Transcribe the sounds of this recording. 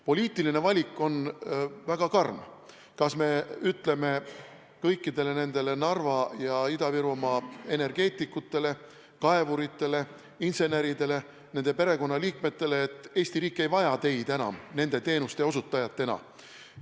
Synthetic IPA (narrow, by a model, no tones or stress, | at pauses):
po̞lʲiːt̪ːˑiline̞vɑlʲikːˑo̞nvæɡ̥ɑkɑrm | kɑsme̞yt̪ːˑle̞me̞ | kɤjkːid̪e̞le̞ne̞nd̪e̞le̞nɑrvɑjɑid̪ɑviɾumɑe̞ne̞rɡ̥e̞ːt̪ːˑikːut̪ːˑe̞le̞ | kɑe̞vuɾit̪ˑːe̞le̞ | inse̞ne̞ɾid̪̥e̞le̞ | ne̞nd̪̥e̞pe̞ɾe̞ko̞nːɑliːkme̞t̪ːe̞le̞ːt̪ːˑe̞ːsʲt̪iɾiːkːˑejvɑjɑt̪e̞jd̪̥enɑ̰mne̞nd̪̥e̞t̪e̞ːnust̪eo̞s̬ut̪ːˑɑjɑt̪ːe̞nɑ̰